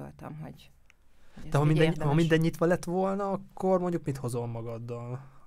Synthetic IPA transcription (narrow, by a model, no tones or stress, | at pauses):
o̰lt̪ɒ̰mɦo̰ | d̪̥ɛɦɒmind̪ɛhɒmind̪ɛɲːit̪ʋɒlɛt̪ːʋo̞lnɒɒkːo̞rmo̞ɲɟukmit̪ho̞zo̞mmɒɡɒd̪ːɒl